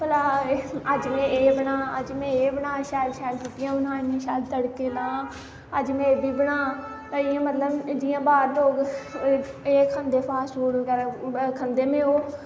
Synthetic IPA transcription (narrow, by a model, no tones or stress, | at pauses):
pəlaːəd͡ʒmẽːeːbəɳaːəd͡ʒmẽːeːbəɳaːʃɛːɾʃɛːɾd͡ʒɪt̪ɪjãːʊnãːɪmẽːʃaːd̪t̪əɽkeːnãː | əd͡ʒmẽːeːbiːbəɳãː | ɪjãːmət̪ləbd͡ʒɪjãːbaːɾloːɡ | eːkʰənd̪eːpʰaːsɦoːɽkɛːɾ̃ːkʰənd̪eːmẽːoː